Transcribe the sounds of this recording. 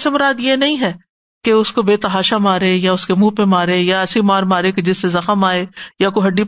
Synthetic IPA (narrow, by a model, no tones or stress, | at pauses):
semʊɾaːd̪jenɐɦĩɦɛː | keʊskobeːt̪ɐɦaːʃamaːɾejaʊskemuːpẽmaːɾejaɛːsimaːɾmaːɾeked͡ʒɪsːezɐxəmaːeːjakoɦɐɖːi